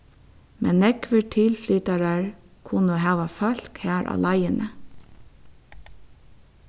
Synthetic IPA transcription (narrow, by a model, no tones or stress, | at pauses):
mʔɛnːɛkʋəʈʰɪlflyːt̪ɑɾɑɹ | kʰʊnəoːɦɑːʋɑfɑl̥khæːɾʔɑ̰ːlʔɑɪənʔə